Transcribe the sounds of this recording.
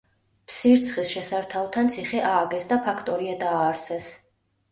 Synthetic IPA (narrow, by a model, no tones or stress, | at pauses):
pʰsiɾt̪sʰχisʃɛsaɾt̪ʰavt̪ʰant̪sʰiχɛʔaːɡɛsd̪apʰakʰt̪ʼɔɾiad̪aːɾsɛs